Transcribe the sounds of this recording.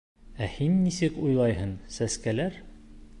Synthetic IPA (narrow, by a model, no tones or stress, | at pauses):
æhinːisɘkujlˠɑjɦɤnsæskælæɾ